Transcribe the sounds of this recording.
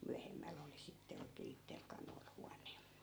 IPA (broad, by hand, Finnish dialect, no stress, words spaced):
myæhemːæl oli sitːe oikeː itːel kɑnoil huɑnˑe